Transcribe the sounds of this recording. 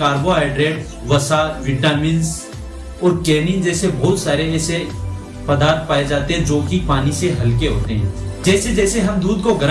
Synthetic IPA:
aːɾboaːɪɖɾeːʈ | ʋɐsaːɾʋɪʈaːmɪns | ɔːɾkeːnind͡ʒɛːsebɔːt̪saːɾeɛːse | pɐd̪aːɾt̪̚paːed͡ʒaːt̪eɦɛ̃d͡ʒoːkipaːniseɦɐlk̬eɦoːt̪eɦɛ̃d͡ʒɛːsed͡ʒɛːseɦɐmd̪uːd̪koɡʱɐɾ

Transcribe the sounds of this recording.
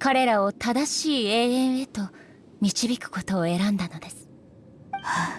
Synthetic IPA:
kaɾe̞ɾao̞t̪ad̪aɕiːe̞ːẽɰ̃e̞t̪o̞ | mʲit͡ɕibʲikɯ̟̥ko̞t̪o̞ːe̞ɾãnd̪ano̞d̪e̞sɨ̥ | ha

